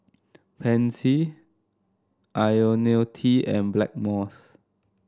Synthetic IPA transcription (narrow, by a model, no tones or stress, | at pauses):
pʰɛ̃nsi | ʔajonetʰiɛ̰̃nblɛ̰k̚mɔs